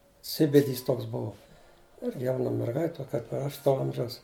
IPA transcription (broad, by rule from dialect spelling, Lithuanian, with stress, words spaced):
ˈsʲɪbʲɪdʲiːs ˈtoːks ˈbuɔ ˈɪrʲɡʲɪ ˈjɛʊnɐ mʲɛrˈɡɐɪtʲ ˈtoː kɐɪp ɪr ˈɐʃ toː ˈɐmʲʒʲɛʊs